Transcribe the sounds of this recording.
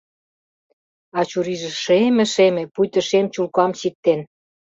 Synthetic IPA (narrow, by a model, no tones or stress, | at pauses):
ɑt͡ɕuɾiʒĕʃemĕʃemĕpujt̪ə̆ʃemt͡ɕulkɑmɕik̚t̪en